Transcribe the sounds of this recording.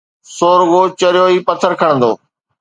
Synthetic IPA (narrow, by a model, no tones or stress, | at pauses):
soːɾɡoːt͡ɕɐɾjoːiːpət̪ʰəɾkʰəɽə̃nd̪oː